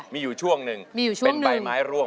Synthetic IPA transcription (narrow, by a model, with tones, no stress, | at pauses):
miː˧juː˨˩t͡ɕʰu˥˩əŋnɯ˨˧ŋmiː˧juː˨˩t͡ɕʰu˥˩əŋnɯ˧a˧ŋmaː˩˦jɾu˧əm